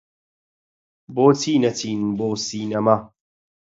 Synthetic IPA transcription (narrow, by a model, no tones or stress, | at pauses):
boːt͡sʰiːnɐt͡sʰiːnboːsiːnɐmɐ